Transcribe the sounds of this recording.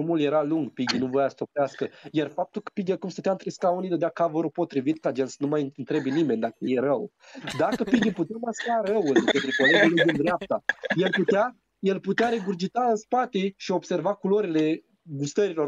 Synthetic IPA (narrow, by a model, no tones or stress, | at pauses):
umulje̞ɾaluŋɡpiɡʲinuvo̞jasə̥t̪o̞paskəjarfap̚t̪ulkə̥piɡʲakumsət̪jant̪ɾiskaunid̪ed̪eakavəɾupo̞t̪ɾivit̪kad͡ʒensənumajɨnt̪ɾe̞binime̞nʲd̪akəje̞ɾəw | d̪akəpiɡʲiput̪emast̪ʲaɾəwulkət̪ɾeko̞le̞d͡ʒulujd̪ind̪ɾeap̚t̪aje̞lput̪ea | je̞lput̪eaɾe̞ɡurd͡ʒit̪aɨnspat̪e̞ʃio̞bse̞rvakulo̞ɾele̞ | ɡust̪əɾilo̞r